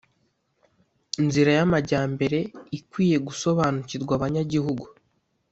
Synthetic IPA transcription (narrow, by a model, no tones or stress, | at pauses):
inziɾajamaɟaːmbe̞ɾe̞ikwiːje̞ɡuso̞βaːnuciɾɡwaːβaɲaɟiɦuɡu